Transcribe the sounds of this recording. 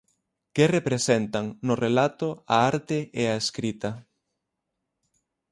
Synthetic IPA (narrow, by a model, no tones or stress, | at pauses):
kɪrepɾesent̪aŋnʊrelat̪ʊaaɾt̪ɪeaeskɾit̪ɐ